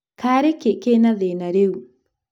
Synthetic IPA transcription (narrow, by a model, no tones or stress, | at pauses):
kaɾekekenaðenaɾeu